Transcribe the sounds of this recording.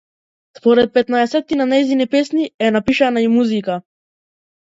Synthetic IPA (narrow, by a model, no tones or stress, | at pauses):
spɔɾɛt̪̚pɛt̪naɛsɛt̪ːinanajzinipɛsniɛnapiʃanaimuzika